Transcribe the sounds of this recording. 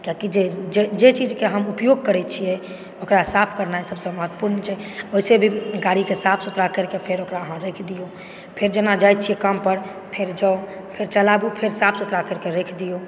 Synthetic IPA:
kjakid͡ʒed͡ʒed͡ʒet͡ʃid͡ʒkeɦəmupjoɡ̚kəɾɛt͡ʃʰiɛ | okɾasapʰkəɾnaɦɛsəbsə̃məɦət̪ːpuɾnət͡ʃʰɛoisebʱiɡaɾikesapʰsut̪ɾakəɾkepʰeɾokɾaəɦãɾekʰd̪ijo | pʰeɾd͡ʒənad͡ʒajt̪̚t͡ʃʰijɛkampəɾ | pʰeɾd͡ʒao | pʰeɾt͡ʃəlabupʰeɾsapʰsut̪ɾakəɾkeɾekʰd̪ijo

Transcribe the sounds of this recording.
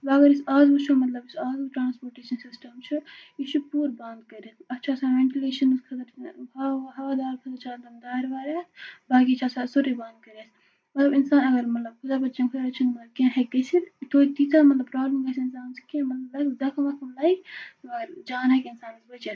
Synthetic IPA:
bɐɡɐɾisaːzbut͡ʃʰumɐt̪lɐbisaːzuʈɾaːnspoːɾʈeːʃɐnsisʈɐmt͡ʃʰuiʃupuːɾbɐnd̪kɐɾet̪ʰɐtːt͡ʃʰaːsaʋeɳʈileːʃɐnzkʰɐt̪ɐɾʰ | ɦɐʋaːd̪aːɾkʰɐt̪ɐɾt͡ʃaːlt̪ɐmd̪aːiɾʋaːɾaːt̪ʰbaːk̬it͡ʃʰaːsaːsoɾiband̪̚kɐɾes | mɐt̪lɐbinsaːnɐɡɐɾmɐt̪lɐb̚kʰʊd̪aːbɐt͡ʃɐnkʰɐɾɐt͡ʃʰɐnmɐt̪ɐb̚kẽɦeɡesʰilt̪oːit̪iːt̪amɐt̪lɐbpɾaːblɐmɡɐsʰinsaːnskẽmɐt̪lɐblɐkd̪ɐkʰɐmɐkʰɐmlɐːikt̪ɐɡɐɾd͡ʒaːnɐkiinsaːnisbɐt͡ʃes

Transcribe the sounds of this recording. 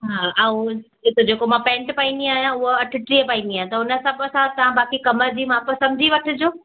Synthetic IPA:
ɦaːʔãũ | ɪk̪od͡ʑeːkomãpɛ̃ːɳʈpaĩnd̪iaːɦjãʊɦoɐʈʰɪʈɾiːəpaːĩːnd̪iaːɦt̪ɐʊnə̆sɐ̃bɐsãt̪ɐʋ̤ãbaːkikɐməɾd͡ʑiːmãpɐsɐ̃md͡ʑʱiʋɐʈʰʊ̆d͡ʑoː

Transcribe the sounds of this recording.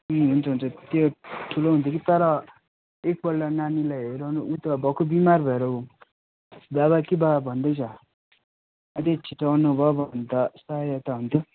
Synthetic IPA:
muɦunt͡sʰʌɦunt͡sʰʌt̪joʈʰuloɦunt̪jokit̪ʌɾʌ | ek̚bʌlːananilajɦeɾanuʔut̪ʌbʱʌkobimarbʱʌeɾʌu | babakibabʱʌnd̪ʌjt͡sʰʌ | ʌt̪et͡sʰiʈawnubʱʌbʱʌnt̪ʌsajʌt̪aɦunt̪ʰjo

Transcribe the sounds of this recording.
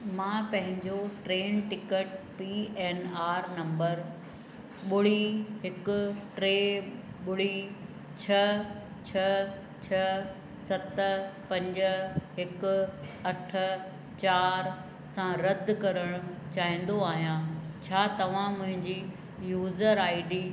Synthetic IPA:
mãːpɐ̃ɦɪ̃ɲd͡ʑoʈɾeːnʈɪkəʈpiːeːnaːɾnɐ̃mbəɾ | ɓʊɽ̤iɦɪkʊ̆ʈɾeːɓʊɽ̤i | t͡ɕʰɐ | t͡ɕʰɐ | t͡ɕʰɐ | sɐt̪pɐ̃ɲd͡ʑɦɪkʊ̆ | ɐʈʰə̆ | t͡ɕaːɾ | sãɾɐd̪ʱkɐɾəɽ̃ʊt͡ɕaːɦĩːn̆d̪oaːɦijãt͡ɕʰaːt̪ɐʋ̤ãmʊ̃ɦɪ̃ɲd͡ʑi | juːzəɾaːɪɖiː

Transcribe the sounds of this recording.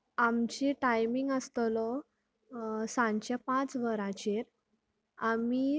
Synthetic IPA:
amt͡ɕiʈajmiŋɡəst̪lɔ | sãɲt͡ɕjapãt͡sʋəɾãt͡ɕiɾ | ami

